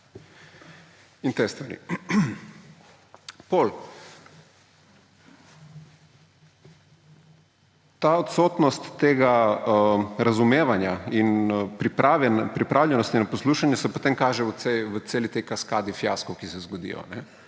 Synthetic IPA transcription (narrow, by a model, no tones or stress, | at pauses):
int̪eːst̪ʋaɾḭ | pol | t̪aot̪soːt̪nɔst̪ːeːɡa | ɾazumeːʋanjainpɾipɾaʋɛpɾipɾʔaːwlʲjɛnɔst̪inapɔsluːʃanjɛsɛpot̪emkaːʒɛəseʋət̪seːlit̪ɛjkaskaːd̪ifjaːskɔwkisɛzɡɔd̪ḭjɔ̰nɛ